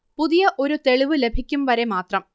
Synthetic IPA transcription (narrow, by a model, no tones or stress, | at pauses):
puðijɐʔo̞ɾut̪e̞ɭiʋɨle̞bʱikʲːumʋɐɾe̞maːt̪rɐm